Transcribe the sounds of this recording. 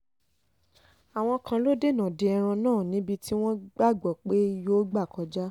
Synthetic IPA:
a˨w̃ɔ̃˧kã˧lo˦de˦˨nã˨de˧ɛ˧ɾ̃ã˧nãː˦˨nĩ˨˦bi˧ti˦w̃ɔ̃˦ɡ͡ba˦˨ɡ͡bɔ˨k͡pe˦˧˦jo˦ɡ͡ba˦˨kɔ˨˦d͡ʒa˦

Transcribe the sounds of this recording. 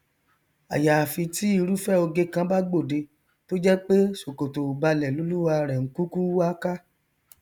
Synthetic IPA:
a̰˨ja˨fi˧ti˦i˧ɾu˦fɛ˦o˧ɡe˧kã˧ba˦ɡ͡bo˦˨de˧ | to˦d͡ʒɛ˦k͡pe˦ʃo˨ko˨to˨ba˧lɛ˨lo˨˦lu˦wa˧ɾɛ˨ŋ̩˦ku˦ku˦a˦ka˦

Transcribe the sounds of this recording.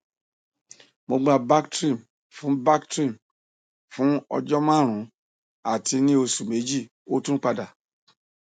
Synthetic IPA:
mo˧ɡ͡ba˧ba˦ktɾi˦˨m | fũ˨˦ba˦ktɾi˦˨m | fũ˨˦ɔ̰˧d͡ʒɔ˦mã˦˨ɾ̃ũ˨˦ | a˨ti˧nĩ˦o˧su˨me˨˦d͡ʒi˦˨ | o˦tũ˦k͡pa˧da˨

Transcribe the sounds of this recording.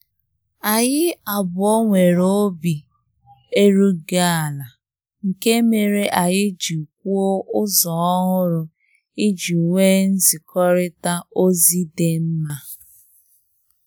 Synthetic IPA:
a˨ɣɪ˦a˨bʊ˨ɔ˦ŋʷe˨ɾo˦bi˨ | e˦ɾu˦ɡa˦a˨la˨ | ŋ̩˨ke˦me˨ɾe˦ʔa˨jɪ˦d͡ʒi˨k̚ʷu˦o˦ʔʊ˦zɔ˨ɔ˦ɦʊ˦ɾʊ˨ | ɪ˦d͡ʒi˨u˨ŋʷe˦n̩˦zɪ˨kɔ˦ɾɪ˦ta˦o˦zi˦de˦m̩˦ma˦

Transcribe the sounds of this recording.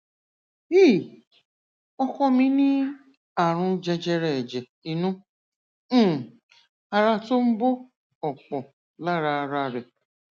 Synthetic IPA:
i˦˨ | ɔ˦kɔ˦mĩ˦nĩ˦ | a˨ɾʊ̃˧d͡ʒe˧d͡ʒe˧ɾɛ˨d͡ʒe˨ | i˨nũ˦˨ | a˨ɾa˧to˦m̩˦bo˦ | ɔ˨k͡pɔ˨ | la˦ɾa˨ɾa˨ɾe˨

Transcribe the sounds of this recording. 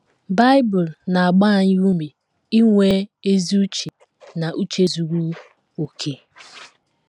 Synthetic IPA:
ba˦ɪ˦bʊ˨lna˨a˨ɡ͡ba˦a˨ɲɪ˦u˦me˨ | i˦ŋʷe˦e˦zi˦u˦t͡ʃe˨ | na˨ʔu˦t͡ʃe˦zu˨ɡʷu˦ | o˨kʰe˦

